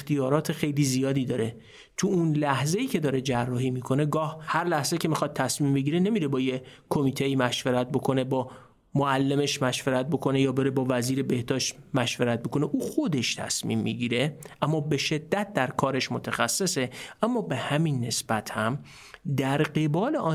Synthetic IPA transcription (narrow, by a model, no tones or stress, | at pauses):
xt̪ijɒːɾɒːt̪ʰe̞xe̞jliːzijɒːd̪iːd̪ɒːɾe̞ | t̪ʰuunlæhze̞iːcʰe̞d̪ɒːɾe̞d͡ʒærːɒːhiːmiːkʰo̞ne̞ɡɒːhhæɾlæhzecʰe̞mixɒd̪̚t̪ːʰæsmiːmbeɟiːɾene̞miɾebɒːjekʰomiːt̪ʰeiːmæʃveɾæt̪̚bo̞kʰo̞ne̞bɒː | moælːe̞me̞ʃmæʃveɾæt̪̚bo̞kʰo̞nejɒːbeɾe̞bɒːvæziːɾe̞be̞hd̪ɒːʃt̪mæʃveɾæt̪̚bo̞ko̞neʔuːxod̪e̞ʃt̪ʰæ̰smḭːmːḭɟiːɾe̞ʔæmːɒːbeʃe̞d̪ːæt̪̚d̪æɾkʰɒːɾe̞ʃmot̪ʰæxæsːe̞se̞ʔæmːɒːbe̞hæminːe̞sb̥æt̪hæm | d̪æɾɢe̞bɒːle̞ʔɒː